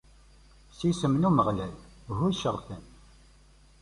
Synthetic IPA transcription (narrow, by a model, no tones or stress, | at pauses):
sisəmnuməʁlæl | ɦʊjʃəʁˤθən